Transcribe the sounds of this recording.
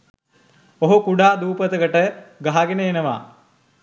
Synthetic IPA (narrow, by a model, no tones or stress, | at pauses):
oɦukuɖaːd̪uːpət̪əɡəʈəɡaɦaɡenəenɐʋa̰